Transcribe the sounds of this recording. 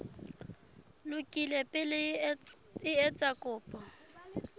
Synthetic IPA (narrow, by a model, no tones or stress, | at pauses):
lʊkʼilepʼɪl | ɪɛt͡sʼakʼʊːpʼɔ